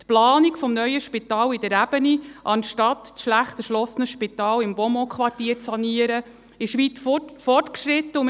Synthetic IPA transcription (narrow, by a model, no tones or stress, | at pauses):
t̪plɑːnikfɔmnœʏəʃpɪtɑːlɪd̪əɾæb̥əniʔɑnʃtɑt̪ːsʃlæχt̪əʃlɔsənəʃpitɑːlɪmbɔmɔkχʋɑrtiːɾt͡sːɑniəɾə | ɪʃʋit͡sffɔrtkʃɾɪt̪ːəum